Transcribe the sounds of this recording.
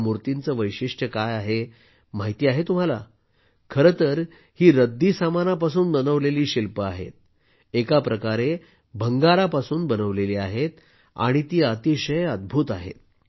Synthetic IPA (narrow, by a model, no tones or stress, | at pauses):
muɾt̪int͡səːʋəjɕiʂʈəkajaɦe | maɦit̪iːaɦet̪um̤ala | kʰəɾət̪əɾ | hiːɾəd̪ʱːiːsamanap̬asuːnbənəʋleliːɕilpəaɦḛt̪̚ | ekapɾəkaɾe | bʱəŋɡaɾapasuːnbənəʋleliːaɦet̪ | a̰ɽ̃it̪iːat̪iɕəjəd̪̚bʱuːt̪aɦḛt̪̚